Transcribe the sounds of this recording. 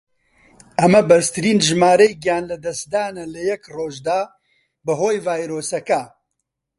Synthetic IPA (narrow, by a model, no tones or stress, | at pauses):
ʔɐmɐbɐɾst̪ʰɨɾiːnʒɨmaːɾejɡijaːnlɐd̪ɐsd̪aːnɐlɐjɛkroːʒd̪aː | bɨɦoːjvaːjɾoːsɐkɐ